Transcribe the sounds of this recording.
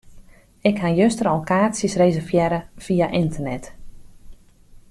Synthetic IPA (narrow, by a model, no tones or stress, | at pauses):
ɪkhajøstəɾɔlˠkaːsjəsrejzərvjɛɾəv̥ijaʔɪntərnɛt